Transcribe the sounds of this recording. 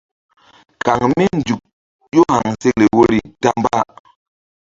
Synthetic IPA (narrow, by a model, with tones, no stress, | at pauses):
ka˨ŋmi˦n˨d͡ʒu˨k̚ | jo˦ha˨ŋse˦le˨wo˦ɾi˨ta˦mba˦˨